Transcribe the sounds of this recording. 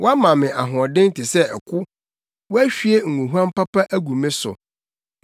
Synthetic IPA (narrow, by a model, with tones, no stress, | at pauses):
wɔ˦a˦mã˨mɪ̃˨ʔa˨ɦɔ̃˨dɪ̃˦n̩˦tʰɪ˨sɛ˦ɛ˨kʰʊ˦ | wɔ˦æ˦ɕᶣi˦e˦ŋ̩˨ũ˨ɦu˦ã˦m˦pa˦pa˦ʔæ˦ɡu˨mɪ̃˦sʊ̰˨